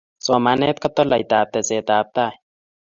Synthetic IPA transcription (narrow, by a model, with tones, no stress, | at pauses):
so˨mane˦t̪̚kɐt̪o˦la˨jt̪aː˨p̚t̪e˨zeː˨t̪aː˨p̚t̪a˦